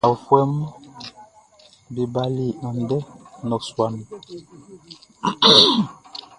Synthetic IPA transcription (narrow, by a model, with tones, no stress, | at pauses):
a˨fwɛ˦m˦ | bi˨ba˦li˦˨a˨n˨dɛ˦nɔ˨swa˨nɔ˨